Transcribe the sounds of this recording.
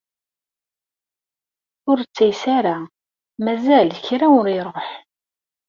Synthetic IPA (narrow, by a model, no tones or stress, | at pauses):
ʊɾt͡sːæjsaɾa | mæzælçɾaʊɾiɾˤoħ